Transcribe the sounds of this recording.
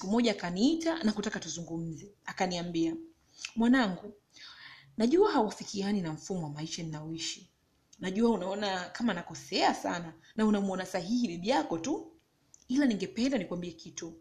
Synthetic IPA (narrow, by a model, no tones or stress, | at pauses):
si̥kumɔʄaːkaniitanakutakatuzuŋɡum̩zɛakaniambia | mwanaŋɡu | naʄuaɦawafikianinam̩fumɔwamaiʃaninaɔiʃi | naʄuaunaɔnakʰamanakɔsɛasa̰na | naunamuɔnasaɦihiɗiɗiakɔtu | ilaniŋɡɛpɛndanikwambiɛkitu